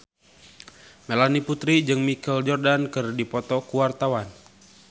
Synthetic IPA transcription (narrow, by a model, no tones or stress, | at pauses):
melaniput̪ɾid͡ʒɨŋmikɛld͡ʒɔrdankɨrdipɔt̪ɔkuwart̪awan